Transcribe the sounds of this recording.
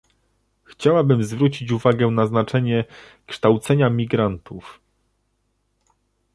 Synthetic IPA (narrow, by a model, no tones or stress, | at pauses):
xt͡ɕawabɘmzvɾut͡ɕit͡ɕuvaɡɛnaznat͡ʂɛɲɛ | kʂt̪awt̪sɛɲamʲiɡɾant̪uf